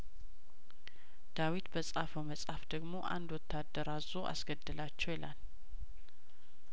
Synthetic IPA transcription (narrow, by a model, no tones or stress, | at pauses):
d̪̥awit̪bəsʼafəwməsʼafd̪əɡmo̞ʔa̰nd̪wɔt̪ʰːad̪ːəɾazoʔa̰sɡəd̪ːɨlat͡ʃːɛwjɛlal